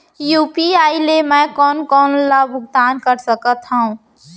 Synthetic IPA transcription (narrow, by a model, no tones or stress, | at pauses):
juːpiaːilemɛ̃kɔːnkɔːnlabʱʊɡ̚d̪aːnkəɾsəkət̪ɦəũ